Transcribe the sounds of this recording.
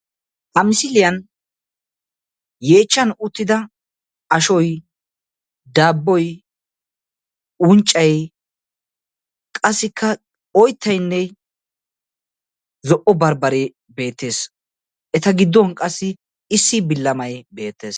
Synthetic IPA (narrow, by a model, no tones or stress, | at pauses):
ʔɐmɪsɪlɪjɐn | jeːt͡ʃːɐnʊt̪ːɪd̪ɐ | ɐʃɔj | d̪aːbːɔj | ʊnt͡ʃʼːɐj | kʼɐsːɪkʰːɐ | ɔjt̪ʰːɐjnːɛ | zɔʔɔbɐɾbɐɾɪ | be̞ːt̪ːe̞ːs | ʔɛt̪ɐɡɪd̪ːɔnkʼɐsːɪ | ɪsːɪbɪlːɐmɐjbe̞ːt̪ːe̞̰ːs